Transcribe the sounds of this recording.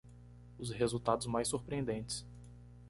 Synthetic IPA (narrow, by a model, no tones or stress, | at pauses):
ʊshezuwt̪ad̪ʊzmajsuɾpɾiẽnd̪ẽnt͡ʃɪ̥s